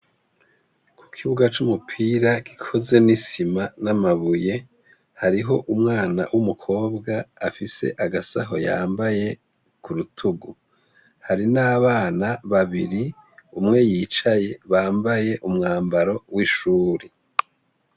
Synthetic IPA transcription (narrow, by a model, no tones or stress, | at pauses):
kʰu̥kʰiβuɡat͡ʃumupʰiɾaɡi̥kʰo̞ze̞nisimanamaβuje̞ | haɾiɦo̞ʔumŋaːna̰wʔumukʰo̞ːbɡaːfise̞̰ʔaɡasaɦo̞̰ja̰ːmbaje̞ | kuɾutʰuɡu | haɾinaːβaːnaβaβiɾi | umŋe̞jiːt͡ʃaje̞βaːmbaje̞ʔumŋaːmbaɾo̞wiʃuːɾe